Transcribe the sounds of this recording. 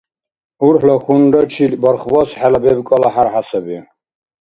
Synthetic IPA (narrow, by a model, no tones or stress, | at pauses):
uɾħlɔxund̪at͡ʃʰilbɔɾχbɔsħɛlabɛbkʼɔlaħaɾħasɛbi